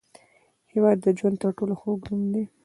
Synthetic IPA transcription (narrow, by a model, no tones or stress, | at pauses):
hewɑd̪ːəd͡ʒwand̪t̪əɾʈoloxoɡdund̪e